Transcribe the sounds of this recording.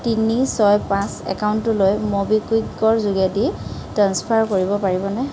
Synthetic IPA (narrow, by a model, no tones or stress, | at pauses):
tinisɔjpãsɛ̰kaʊntʊlojmobikwiɡɔɹzuɡiaditɹanspʰaɹkoɹibɔpaɹibɔnɛ